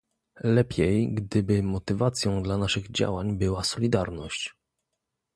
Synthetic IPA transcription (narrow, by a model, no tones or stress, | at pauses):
lɛpʲʰjɛjɡd̪ɘbɘmɔt̪ɘvat̪sʲjɔ̃w̃d̪lanaʂɘɣd͡ʑa̰waɲbɘwasɔlʲid̪aɾnɔɕt͡ɕ